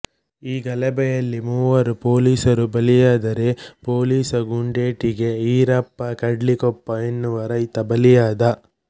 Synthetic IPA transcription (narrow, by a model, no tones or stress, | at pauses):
iːɡɐlɛbɛjɐlːimuːʋɐɾupoːliːsɐɾubɐlijaːd̪ɐɾepoːliːsɐɡuɳɖeːʈiɡe̞iːɾɐpːɐkɐɖlikɔpːɐenːuʋɐɾɐjt̪ɐbɐlijaːd̪ɐ